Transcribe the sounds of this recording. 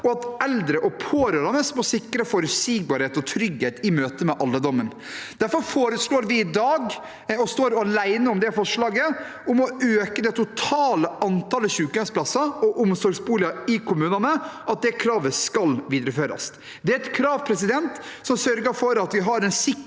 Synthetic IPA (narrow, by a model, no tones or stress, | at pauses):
ɔɑt̪ɛld̪ɾəʔɔpʰoːɾøɾɑnəsmɔsɪkːɾəfɔɾʉsiːɡ̚bɑːɾheːt̪ɔt̪ʰɾʏɡheːt̪ɪmøːt̪əmɛʔɑlːəd̪ɔmːən | d̪̥æɾfɔɾfoːɾəsloːɾʋɪːd̪ɑːɡ | ɔst̪oːɾɑlæɪnəʊmd̪ɛfɔʂɭɑːɡə | ʊmɔøːkəd̪ɛt̪ʰʊt̪ʰɑːləɑnt̪ɑːləɕʉːkəspʰlɑsɑɔʔʊmsɔɾɡsbuːlɪɑɪkʰʊmʉːnɑnəɑt̪̚d̪ɛkʰɾɑːʋəskɑlʋiːd̪ɾəføːɾɑ̰s | d̪ɛæɾɛt̪kʰɾɑːʋpʰɾɛsɪd̪ɛnt̪ | sɔmsœɾɡəɾfɔɾɑt̪ʋɪɦɑɾɛnsɪ